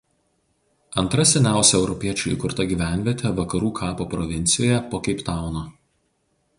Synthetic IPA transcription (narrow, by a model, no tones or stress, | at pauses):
ɐnˑt̪ɾɐsʲɛnʲæˑʊsʲɛɛʊɾɔpʲiɛt͡ʃʲʊˑḭkʊɾt̪ɐɡʲiːʋʲæˑnʲʋʲiɛt̪ʲeʋɐkɐɾuːkʰɑːpoːpɾɔʋʲɪnʲt̪sʲɪjoːjɛpoːkʲɛɪpt̪ɑˑʊnoː